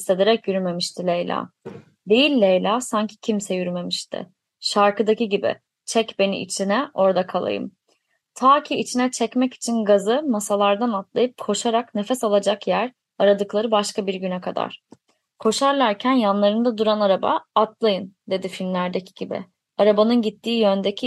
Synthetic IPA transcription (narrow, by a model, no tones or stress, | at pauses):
st̪e̞d̪eɾɛcjyɾyme̞miʃt̪ʰilʲejlʲa̰ː | d̪e̞jilʲːejlʲaːsaɲcʰi̥cʰimsɛjyɾyme̞miʃt̪ʰɪ̰ | ʃaɾkɯd̪aciɟibɪ̰ | t͡ʃʰɛcbe̞nḭʔḭt͡ʃʰinɛʔo̞ɾd̪akʰalˠa̰jɯ̰m | t̪ʰaːcʰiit͡ʃʰinɛt͡ʃʰɛcmɛci̥t͡ʃʰinɡazɯmasalˠaɾd̪anat̪lˠajɯp̚kʰo̞ʃaɾakne̞fɛsalˠad͡ʒakjæɾ | aɾad̪ɯklˠaɾɯbaʃkabiɾɟynɛkʰad̪a̰ɾ̥ | kʰo̞ʃaɾlˠaɾcʰænjanlˠaɾɯnd̪ad̪uɾanaɾaba̰ːt̪lˠajɯnd̪e̞d̪ifilʲmlʲæɾd̪ecʰi̥ɟ̥ibɪ̰ | aɾabanɯnɟit̪ʰːiːjø̞nd̪ecʰi